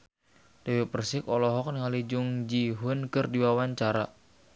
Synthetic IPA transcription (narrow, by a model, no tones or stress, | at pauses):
d̥awepərsɪkɔlɔɦɔk̚nŋalid͡ʒuŋd͡ʒiɦʊnkɨrdiwawaɲt͡ʃaɾa